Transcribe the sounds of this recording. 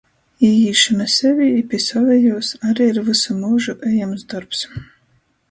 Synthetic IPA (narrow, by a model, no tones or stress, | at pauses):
ijiːʃɨmɛsɛvʲipʲisɔvɛjuːsaɾiiɾvɨsamuːʒuʔɛjamzd̪ɔɾps